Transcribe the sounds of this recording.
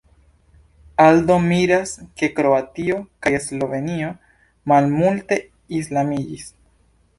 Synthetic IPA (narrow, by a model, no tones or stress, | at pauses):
aldo̞miɾaske̞kɾo̞atio̞kaje̞slo̞ve̞nio̞ | malmulte̞ | islamid͡ʒis